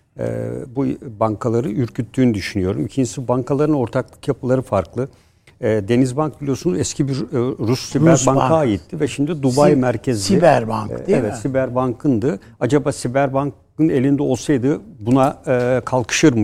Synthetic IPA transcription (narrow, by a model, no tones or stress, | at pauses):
ɛ̰bubaŋkʰalˠaɾɯyɾcʰyt̪ʰːyːnyd̪yʃynyjo̞ɾumicʰind͡ʒi̥sibaŋkʰalˠaɾɯno̞ɾt̪ʰaklˠɯkjapɯlˠaɾɯfaɾklˠɯː | d̪e̞nizbank̚bilʲijo̞sunuzɛscʰibiɾːusːiæɾbaŋkaaːjit̪ːivɛʃimd̪id̪ubajmæɾcʰɛzszsiibæɾba̰ŋkevɛt̪sibæɾbaŋkʰɯnd̪ɯ | ad͡ʒabaːsibæɾbank | ɯne̞lʲind̪ɛo̞lˠsajd̪ɯbunakʰalˠkʰɯ̥ʃɯɾm